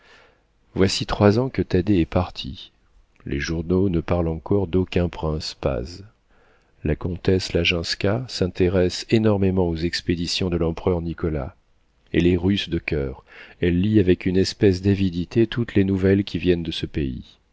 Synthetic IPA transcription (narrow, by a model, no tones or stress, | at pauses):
vwasit̪χwazɑ̃kət̪ad̪eɛpaʁt̪ʰḭ | lʔḛʒuʁnonəpaʁlɑ̃kɔʁd̪okʲɛ̃pχɛ̃spa̰z | lakɔ̃t̪ɛslaʒɛ̃skʲasɛ̃t̪eʁɛsenɔʁmemɑ̃ozɛksped̪isjɔ̃d̪əlɑ̃pχœʁnikɔla̰ | ḛleʁysd̪əkʲœːʁɛlːiavɛkynɛspɛsd̪avid̪it̪et̪ut̪lenuvɛlkʲʰivjɛnd̪əsəpeḭ